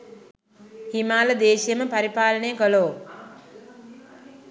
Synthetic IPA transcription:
himaːləd̪eːʃijəməpɐɾipaːlənəjəkəloː

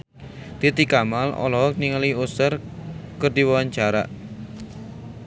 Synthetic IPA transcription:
t̪it̪ikamalɔ̰lɔɦɔk̚niŋaliusərkərd̪iwawaɲt͡ʃaɾa̰ʔ

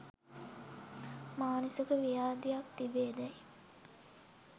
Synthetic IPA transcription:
maːnusukəʋijaːd̪ijakt̪ibeːd̪æj

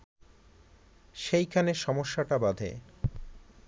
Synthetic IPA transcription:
ʃejkʰaneɾʃɔmoʃːaʈabad̪ʱḛ

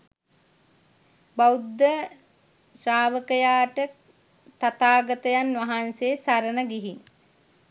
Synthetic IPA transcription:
bawud̪ːə | sɾaːʋəkəjaːʈə | t̪at̪aːɡət̪əjanʋɐɦanseːsaɾənəɡiɦiŋ

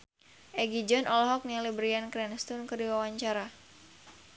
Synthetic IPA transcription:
ʔɛɡid͡ʒɔnʔɔlɔɦɔk̚nialibɾiankɾɛnst̪unkɨrdiwawaɲt͡ʃaɾa

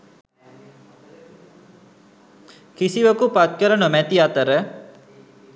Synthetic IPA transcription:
kisiʋəkupat̪̚kəɾənəmæt̪iat̪əɾə

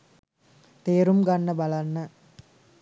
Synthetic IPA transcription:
t̪eːɾumɡɐnːɐbɐlɐnːɐ

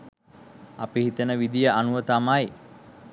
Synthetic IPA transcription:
apiɦit̪ənəʋid̪ijəʔanuʋət̪amaj

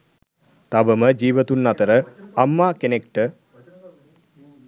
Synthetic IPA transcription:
t̪abəməd͡ʒiːʋət̪unːat̪əɾəamːaːkenekʈə

